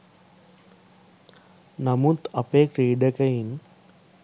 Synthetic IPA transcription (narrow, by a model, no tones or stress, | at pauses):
nɐmut̪ɐpeːkɾiːɖɐkɐin